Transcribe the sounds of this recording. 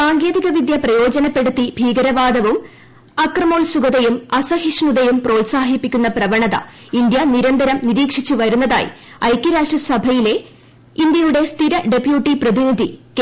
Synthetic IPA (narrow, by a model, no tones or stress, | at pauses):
aːŋɡe̞ːðiɣɐʋid̪jɐprɐjo̞ːd͡ʑɐnɐpːe̞ɽut̪ːibʱiːɡɐɾɐʋaːd̪ɐʋum | ɐkrɐmo̞ːlsuɡɐðɐjumɐsɐhiʂɳuðɐjumpro̞ːlsaːɦipːikʲːunːɐprɐʋɐɳɐðɐ̰ | ind̪jɐniɾɐnd̪ɐɾɐmniɾiːkʂit͡ɕːuʋɐɾunːɐða̰ːjḭɐjkʲːɐɾaːʂʈrɐsɐbʱɐjile̞ | ind̪jɐjuɽe̞st̪ʰiɾɐɖe̞pjuːʈːiprɐðinid̪ʱik